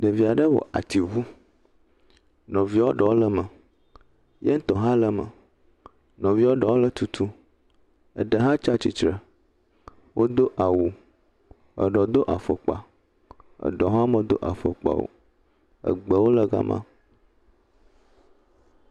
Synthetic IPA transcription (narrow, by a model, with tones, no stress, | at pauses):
ɖə˨vi˨a˨ɖə˦wo̰˨ʔa˨t̪i˨vu˦ | nɔ̃˨vi˦wo˦ɖɔ˨wo˦lə˦mə˨ | jɛ˦ŋ̩˦t̪ɔ˨ɦã˦lə˦mə̰˨ | nɔ̃˨vi˦wo˦ɖɔ˨wo˦lə˦t̪u˨t̪ʰu˦ | ə̰˨ɖə˨ɦã˦t͡ʃa˦t͡ɕi˨t͡ʃɾə˨ | wʔo˦d̪o˦ʔa˨wu˨ | ə̰˨ɖɔ˨d̪o˦ʔa˨fə˨k͡pa̰˨ | ə̰˨ɖɔ̃˨ɦã˦mə̃˨d̪o˦ʔa̰˨fə̰˨k͡pa̰˨wo̰˨ | ə̰˨ɡ͡bə˨wo˦lə˦ɡa̰˦mʔã̰˦